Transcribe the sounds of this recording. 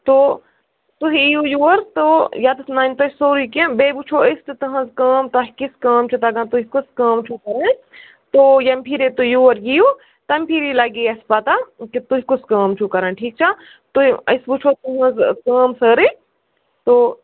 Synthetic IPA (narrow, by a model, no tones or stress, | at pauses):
t̪o | t̪uɦijujuːɐɾt̪ojat̪snant̪ɐt͡ʃsoːɾikẽbebut͡ʃʰoːɐsʈit̪ɐɦɐ̃zkɐːmt̪aɦikiskɐːmt͡ʃʰut̪ɐɡãnt̪uɦikuskɐːmt͡ʃʰukɐɾã | t̪oːjɐmpʰiɾet̪ujuːɐɾjiju | t̪ɐmpʰiɾilaɡiɐspɐt̪akit̪uɦikuskɐːmt͡ʃʰukɐɾaːnʈʰiːk̚t͡ʃʰa | t̪uɐ̰sbut͡ʃʰoːt̪uɦɐ̃zkɐːmsəɾi | t̪oː